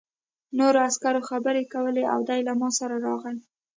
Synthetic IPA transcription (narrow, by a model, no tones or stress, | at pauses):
noɾoaskaɾoxabəɾekawəlea̰wd̪ɑjlamɑsaɾaɾɑɣəj